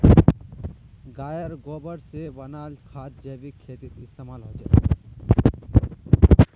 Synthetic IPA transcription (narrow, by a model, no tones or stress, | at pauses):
ɡaːjəɾɡoːbəɽseʋənaːlkʰaːt̪̚d͡ʒeːbikʰeːt̪it̪ɪst̪eːmaːlɦod͡ʒa̰ː